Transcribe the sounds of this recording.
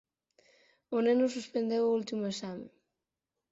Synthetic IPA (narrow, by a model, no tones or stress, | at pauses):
onenosuspend̪ewult̪imoesame